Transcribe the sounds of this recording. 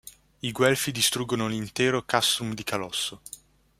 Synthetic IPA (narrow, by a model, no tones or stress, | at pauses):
iɡwɛlfid̪ist̪ɾuɡːonolint̪eːɾokast̪ɾumd̪ikalɔsːo